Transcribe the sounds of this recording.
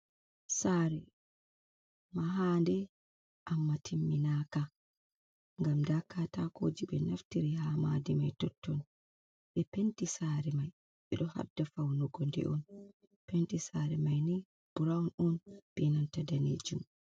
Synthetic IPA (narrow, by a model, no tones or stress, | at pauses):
saɾɛ | maɦandɛ | ʔamːatʰimːinaːka | ŋɡamdakːatakoːd͡ʒiɓɛnaftiɾiɦamadimajtɔtʰːɔn | ɓɛpentisaːɾɛmaj | ɓɛɗɔha̰dafawnuɡɔndɛ̰ʔɔn | pentisaɾɛmajnɛ | b̥uɾawnɔnpinantadanḛd͡ʒum